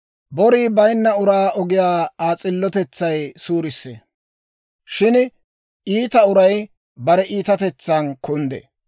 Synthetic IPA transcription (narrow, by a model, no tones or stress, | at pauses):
bɔɾiːbɐjnːɐʊɾaːɔɡɪjaːaːt͡sʼɪlːɔt̪ɛt͡sːɐjsuːɾɪsːḛ | ʃɪn | iːt̪ɐʊɾɐj | bɐɾɛʔiːt̪ɐt̪ɛt͡sːankʊnd̪ɛ̰